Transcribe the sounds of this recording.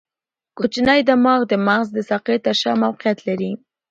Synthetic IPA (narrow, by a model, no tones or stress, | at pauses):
kot͡ʃnajd̪amɑɣd̪əmaɣzd̪əsaqet̪aʃɑmawqɪjat̪laɾi